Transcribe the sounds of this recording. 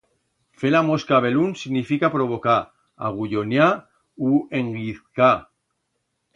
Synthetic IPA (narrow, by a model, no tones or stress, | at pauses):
felamoskaβe̞lunsiɣnifikapɾo̞βo̞ka | a̰ɣ̞uʎonja | ue̞ŋɡiθka